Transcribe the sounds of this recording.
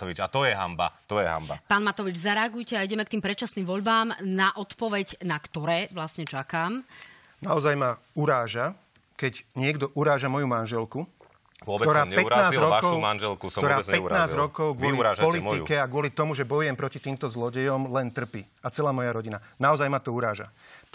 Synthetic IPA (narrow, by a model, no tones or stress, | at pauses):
ʋit͡ʃat̪ɔjɛɦa̰mba̰t̪ɔjɛɦa̰mba̰paːnmat̪ɔʋid͡ʒzaɾɛaɡujcɛaiɟɛmɛkt̪iːmpɾɛt͡ʃasniːmʋɔʎbaːmnaʔɔt̪pɔʋɛɟnakt̪ɔɾɛːʋlasɲɛt͡ʃakaːm | naɔzajma | uɾaːʒa | kɛɟɲɪɛɡd̪ɔʔuɾaːʒamɔjumanʒɛlku | ɔtt̪ɔɾaːpɛɾnaːzɾɔakɔuʊmanʒɛlkuɔɾaːpɛtnaːzɾɔkɔʊɡʊɔliɾaːpɔliikɛaɡʊɔlit̪ɔmuʒɛbɔjuɛmpɾɔcit̪iːmt̪ɔzlɔɟɛjɔmlɛnt̪r̩piː | at͡sɛlaːmɔjaɾɔɟinanaɔzajmat̪ɔuɾaːʒa̰